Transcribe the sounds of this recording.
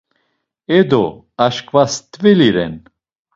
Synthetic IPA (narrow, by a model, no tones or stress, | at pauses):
ɛd̪ɔ | aʃkvast̪ʼvɛliɾɛ̰n